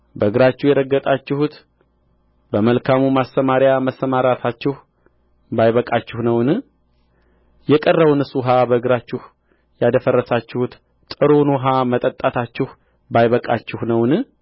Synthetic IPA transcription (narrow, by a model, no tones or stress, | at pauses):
bəɨɡɾat͡ʃːuhjɛɾəɡːət̪ʼat͡ʃːɪhut̪ | bəməlkʰamumast̪əmaɾɪjaməsːəmaɾat̪ʰat͡ʃːɪh | bajβəkʼat͡ʃːɪhnəwn | jɛkʼərːəβnɨsuɦabəɨɡɾat͡ʃːɪh | jad̪əfərːəsat͡ʃːɪhut̪ | t̪ʼɨɾonoɦamət̪ʼət̪ʼːat̪ʰat͡ʃːɪhu | bajβəkʼat͡ʃːɪhnəwn